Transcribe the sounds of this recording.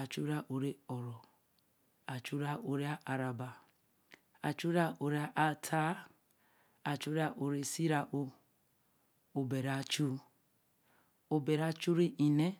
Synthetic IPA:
a˨t͡ʃu˦ɾa˦ʔo˨ɾe˦ɔ˨ɾɔ˨ | a˨t͡ʃu˦ɾa˦ʔo˨ɾe˦a˦ʔa˨ɾa˨ba˨ | a˨t͡ʃu˦ɾa˦ʔo˨ɾe˦a˦ʔa˨tʰa˦ | a˨t͡ʃu˦ɾa˦ʔo˨ɾe˨si˦ɾa˨ʔo˦ | o˨be˨ɾa˨t͡ʃu˦ | o˨be˨ɾa˦t͡ʃu˦ɾi˦ʔi˨ne˦

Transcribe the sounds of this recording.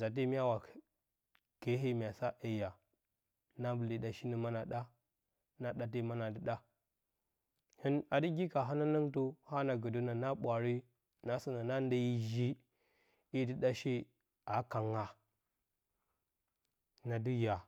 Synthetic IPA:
za˨t̬i˦mi˦a˦wa˨ | ke˨˦ɦi˦m˨a˨sa˦ʔe˨ja˨ | na˦bə˨li˨da˨ʃi˦ni˦ma˦na˨ɗa˦ | na˦ɗa˨t̬i˦ma˦na˨di˦ɗa˦ | hi˦na˨di˦ɡi˦ka˨ɦa˦na˦na˦ŋtu˦ha˦na˨ɡə˨du˦na˨na˦ɓʷa˨ɾi˦ | na˦sə˦na˨na˦n˦da˦ji˦ʒi˦ | i˦di˦ɗa˦ʃi˦ | a˨˦ka˨ŋa˨ | na˨di˦ja˨

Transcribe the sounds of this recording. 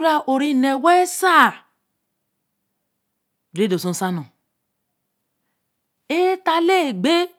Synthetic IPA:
ɾa˦ʔo˨ɾi˦˨nɛ˨wɛ˦sa˦˨ | de˦do˨sõ˦n˦sa˦nɔ̃˨ | e˦ta˦le˦˨ɡ͡be˦

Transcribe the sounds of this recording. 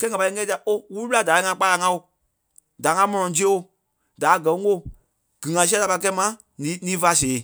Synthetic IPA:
kɛː˦ŋa˨pa˧˨i˧˦ŋɛ̃˦ti˧˨a˨ʔo˦wu˦u˦ɓla˦˨da˨i˦ŋã˧˦k͡pa˧la˨˧˦ŋã˧˦o˨ | da˨˦ŋã˧˦mɔ̃˧nɔ̃˨d͡ʒi˦o˨ | da˨˦˨ɡɜ˨˦o˦˨ | ɡ̥ɨ̃˨ŋã˨s̬i˦ɛ̃˦la˧pa˧k̬ɛ˧˦mã˧˦ | nĩ˨˦nĩː˨˦fa˧˦˨seː˨˦

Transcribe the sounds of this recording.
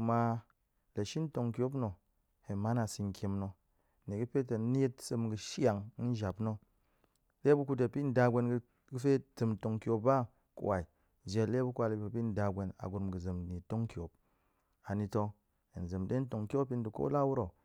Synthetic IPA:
ma˧ | le˨ʃi˦n̩˦to˨ŋkʲo˦p̬no˨ | he˨ma˦na˨si˧ŋ˨kʲe˧mno˧˨ | ne˨ɡɨ˦pe˦te˨˦n˦e˦tsɨ˧mɡɨ˧ʃa˨ŋ˦n̩˦ʒa˨pno˦ | le˦bu˦ku˧d̬e˨pi˦n̩˦da˧ɡʷe˧n˧ | ɡɨ˦fe˦tɨ˧mn˨to˧ŋkʲo˧ba˦ | kṵ˨wa˨i˨ | d͡ʒe˧le˦bu˦kʷa˧˨le˨e˨pi˦n̩˦da˧ɡʷe˧na̰˨ɡu˧ɾmɡɨ˨zɨ˨mni˨to˦ŋkʲo˨p̚ | a˨ni˧to˧ŋ | e˨n˨zɨ˨mde˦n̩˦to˨ŋkʲo˦pi˦n˦du˨ko̰˦la˦wu˦ɾo˨

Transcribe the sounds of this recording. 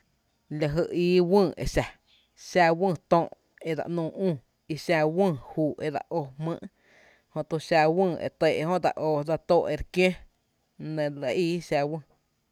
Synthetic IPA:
la˨ɦə˧iː˦wɨ̃ː˦˧˨ḛ˨ʃa˨ | ʃa˧wə̃ː˦˧˨t̪õː˧˨ʔ | e˧˨d̪a̰˨ʔnũː˧˨ũː˦˨ | i˧ʃa˧wũː˦˧˨huː˨ʔe˧˨d̪a̰˧ʔo˧hmɨ̰̃ː˧˦ʔ | hõ˧t̪u˧ʃa˧wə̃ː˦˧˨ḛ˨t̪e˧˨ʔhõ˦ʔd̪a̰˧˨ʔoː˧d̪a˧t̪oː˦˧ʔe˧˨ɾkjẽ˦ | nẽ˨la˧˨iː˦ʃa˧wə̃˦˧˨

